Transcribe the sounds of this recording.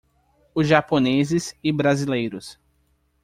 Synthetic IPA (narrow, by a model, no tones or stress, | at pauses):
ʊzʒaponezɪsɪbɾazilejɾʊs